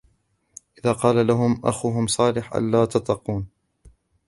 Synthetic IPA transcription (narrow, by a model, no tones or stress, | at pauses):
ʔɪðaːqɑːlalaɦʊmʔa̰xuɦʊmsˤɑːlɪħʔa̰lːaːt̪ɑt̪ˤːɑquːn